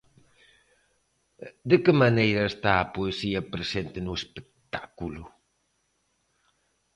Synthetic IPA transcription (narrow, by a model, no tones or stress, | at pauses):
d̪ekɪmanejɾɐest̪aːpoesiɐpɾesent̪enuespek̚t̪ḁkulu